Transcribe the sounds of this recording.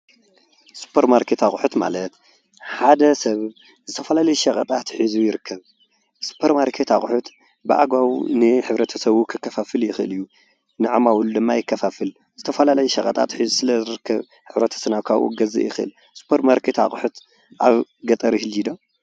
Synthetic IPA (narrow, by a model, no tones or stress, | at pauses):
su̥pʰɐɾmaɾkʰet̪aχʼħut̪ma̰lɐt̪ | ħad̪ɐsɐβ | zɨt̪ʰɐfɐlalɐjuʃɐkʼɐt̪ʼat̪ħɨzujɪɾɨkʰːɐβ | su̥pʰɐɾmaɾkʰet̪aχʼħut̪ | bɨʔa̰ɡawnɨħɨβɾɐt̪ʰɐsɐβukʰɨkːɐfafɨljɪxɨɨlɨjːu | nɨʕamawuld̪ɨmːajɪkʰːɐfafɨl | z̥ɨt̪ʰɐfɐlalɐjuʃɐkʼɐt̪ʼa̰t̪ħɨzusɨlɐzɨɾɨkʰːɐβ | ħɨβɾɐt̪ʰɐ̥sɨnaβkʰaβʔṵɡɐzɨ̰ʔjɪxɨʔɨ̰l | su̥pʰːoɾmaɾkʰet̪a̰χʼħut̪ | ʔaβɡɐt̪ʼɐɾihɨlid̪o